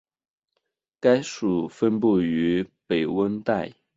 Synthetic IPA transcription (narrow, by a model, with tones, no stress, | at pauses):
ka˥ɪʂu˨˩fə˥npu˥˩y˧˥pe˨˩ɪwə˥nt̪a˥˩ɪ